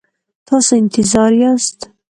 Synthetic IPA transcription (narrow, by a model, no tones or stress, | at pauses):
t̪ʰɑseɪnt̪ʰɪzɑɾiast̪